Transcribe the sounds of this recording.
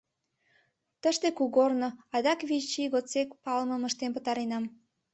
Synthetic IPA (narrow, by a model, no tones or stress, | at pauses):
t̪əʃt̪ekuɣornoɑd̪ɑkβit͡ɕiɣot͡sekpɑlməməʃt̪enpət̪ɑɾenɑm